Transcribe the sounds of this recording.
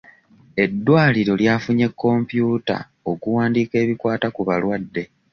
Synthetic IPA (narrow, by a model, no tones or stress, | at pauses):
e̞dːwaːliɾo̞ljaːfuɲe̞kːo̞mpjuːta̰ | o̞kuwaːndiːke̞ːβikwaːtakuβalwadːe̞